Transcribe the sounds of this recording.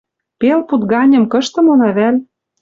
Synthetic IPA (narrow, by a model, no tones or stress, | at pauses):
pelput̪ɡɑnʲɤ̆mkɤ̆ʃt̪ɤ̆monɑβælʲ